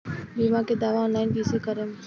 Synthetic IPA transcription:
biːmãked̪aːʋaɔ̃ːnlaːɪnbiːsekəɾəm

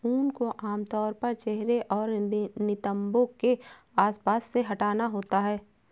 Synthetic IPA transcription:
uːnkoʔaːmt̪ɔːɾpɐɾt͡ʃɛɦɾeʔɔːɾnɪt̪ə̃mbõke | aːspaːsːeɦɐʈaːnaɦoːt̪aɦɛː

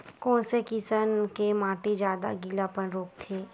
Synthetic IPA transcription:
kɔ̃ːnsekisənkemãːʈid͡ʒjaːd̪a̰ɡilapənɾoːk̚t̪ʰeː

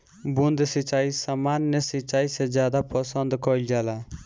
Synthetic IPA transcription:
bund̪sɪt͡ʃaːisamaːnːəsɪt͡ʃaːisezjaːd̪apɔsənd̪kɔild͡ʒaːla

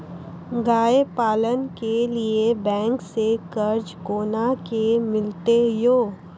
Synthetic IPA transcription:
ɡaːepaːlənkeliebɛ̃ːŋksekɐɾd͡ʒkoːnakemɪlt̪ejoː

